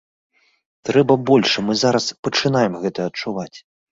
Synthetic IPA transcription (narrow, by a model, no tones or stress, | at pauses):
t̪ɾɛbɐbɔlʲʂɨmɨzaɾɐspɐt͡ʂɨnajɛmɣɛt̪ɐɐt͡ʂuvat͡sʲ